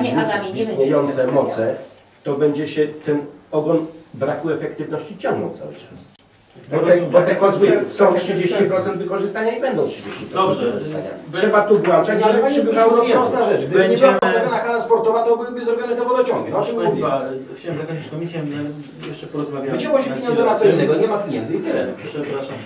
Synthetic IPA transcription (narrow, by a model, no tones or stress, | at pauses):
aasɲʲejɔnt̪sɛmɔt̪sɛ | t̪ɔbɛɲd͡ʑɛɕɛt̪ɛnɔɡɔnbɾakuɛfɛk̚t̪ɘvnɔɕt͡ɕit͡ɕɔ̃ŋɡnɔ̰wt̪sa̰wɘ̰t͡ʂas | bɔt̪ɛbɔt̪ɛpɔsvɨsɔ̃w̃tʂɛd͡ʑeɕt͡ɕipɾɔt̪sɛnd̪vɘkɔʐɨst̪aɲaibɛnd̪ɔ̃w̃tʂɛd͡ʑeɕt͡ɕi̥pɾɔdɔbʐɛaka̰tʂɛbat̪ubwat͡ʂaaɛvaɛsanɔɛɔst̪aʐɛt͡ʃɡɡ̪ɲɛazaɡlaxalaspɔɾt̪ɔvat̪ɔbɨwbɘzɾɔbʲɔnɨt̪ɛvɔd̪ɔt͡ɕɔ̃ŋɡʲɛɔtɛmaxt͡ɕawɛmzakɔ̃ɲt͡ʃit͡ɕsʲkɔmʲisjaɛ | jɛʂt͡ʂɛpɔɾɔzmavʲjaɛd͡ʑɛwɔɕɛpʲeɲɔnzɛnat̪sɔinːɛɡɔɲɛmapʲjeɲɛnd̪zɨit̪ɪlɛʂɛpɾaʂam